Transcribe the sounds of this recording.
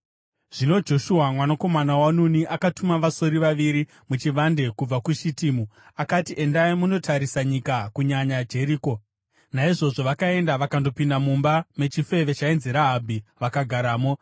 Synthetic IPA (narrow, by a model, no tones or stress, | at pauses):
ʐ̥ino̞d͡ʒo̞ʃuɦamwanako̞manawanuniʔakatumaʋaso̞ɾiʋaʋiɾi | mut͡ʃiʋande̞kub͡vakuʃitiːmu | akatiʔe̞ndaimuno̞tʰaɾisaɲikakuɲaɲad͡ʒe̞ɾiːko̞ | naiʐo̞ʐo̞ʋakae̞ndaʋakando̞pindamumbame̞t͡ʃife̞ʋe̞t͡ʃainzeɾaɦabʱiʋakaɡʱaɾaːmo̞